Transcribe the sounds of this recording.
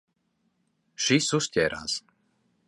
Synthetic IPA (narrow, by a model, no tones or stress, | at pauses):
ʃisuʃcʲɛɾa̰s